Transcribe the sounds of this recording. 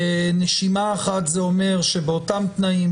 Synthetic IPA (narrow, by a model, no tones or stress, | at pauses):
neʃimaːχat̪zeome̞ʁʃe̞beotamt̪naim